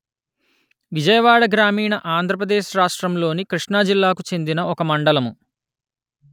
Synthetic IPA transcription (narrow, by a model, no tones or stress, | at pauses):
ʋid͡ʒɐjɐʋaːɽɐɡɾaːmiːɳɐʔaːnd̪ʱɾɐpɾɐd̪eːʃɾaːʂʈɾɐmlo̞ːnikɾiʂɳaːd͡ʒilːaːkut͡ʃe̞nd̪inɐʔɔkɐmɐɳɖɐlɐmu